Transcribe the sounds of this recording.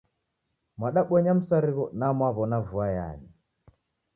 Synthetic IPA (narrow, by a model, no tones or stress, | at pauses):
mwaɗaɓɔɲam̩saɾiɣɔnamwaβɔnavuaja̰ɲi